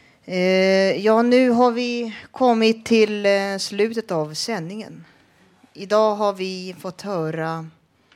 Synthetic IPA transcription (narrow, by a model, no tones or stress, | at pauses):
jɑːnʉ̟ːɦaɾvɪkʰɔmːɪt̪ʰːɪlslʉ̟ːt̪ət̪avsɛnːɪŋə̰n | ɪd̪ɑːɦaɾvɪfɔt̪ːhœːɾa